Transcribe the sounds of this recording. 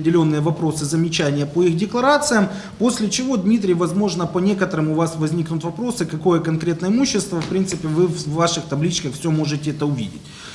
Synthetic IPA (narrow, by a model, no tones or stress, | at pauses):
pʲɪdʲɪlʲo̞nːɨjəvɐpɾo̞sɨzəmʲɪt͡ɕænʲɪjəpoixdʲɪklˠɐɾat̪sɨjəm | po̞sʲlʲɪt͡ɕɪvo̞d̪mʲit̪̬ɾʲɪjvɐzmo̞ʐnəpɐnʲe̞kət̪əɾɨmʊvasvɐzʲnʲiknʊt̪vɐpɾo̞sɨkɐko̞jəkɐnkɾʲe̞t̪nəɪmuɕːɪst̪vəfpɾʲint̪sɨpʲɪvɨvːaʂɨxt̪ɐblʲit͡ɕkəxfsʲomo̞ʐɨtʲɪɛt̪əʊvʲḭdʲɪ̰tʲ